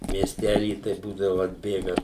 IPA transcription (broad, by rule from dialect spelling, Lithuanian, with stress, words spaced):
mʲiɛsʲˈtʲælʲiː tɐɪ ˈbuːdɐʋʊ ɐdʲˈbʲeːɡɐ